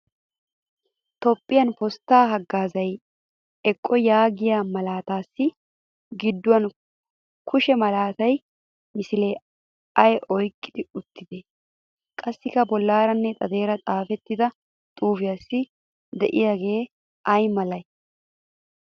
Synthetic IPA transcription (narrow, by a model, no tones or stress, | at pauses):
t̪ɔpʼːɪjɐnpɔst̪ːaːɦɐɡːaːzɐj | ɛkʼːɔjaːɡɪjaːmɐlaːt̪aːsːɪ | ɡɪd̪ːʊwɐn | kʰʊʃɛmɐlaːt̪ɐj | mɪsɪleː | ɐjʔɔjkʼːɪd̪ɪʊt̪ːɪd̪e | kʼɐsːɪkɐbɔlːaːɾɐnːɛt̪ʼɐd̪e̞ːɾɐt̪ʼaːfɛt̪ːɪd̪ɐ | t̪ʼuːfɪjaːsːɪ | d̪ɛʔɪjaːɡe̞ː | ʔɐjmɐlɐj